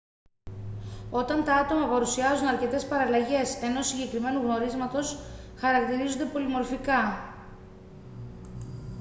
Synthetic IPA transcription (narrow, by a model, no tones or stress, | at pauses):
o̞t̪ɐnt̪ɐɐt̪o̞mɐpɐɾusiɐzunɐɾce̞t̪e̞spɐɾɐlɐʝe̞se̞no̞siɲɟe̞kɾime̞nuɣno̞ɾizmɐt̪o̞sxɐɾɐk̚t̪iɾizond̪e̞po̞limo̞ɾfikɐ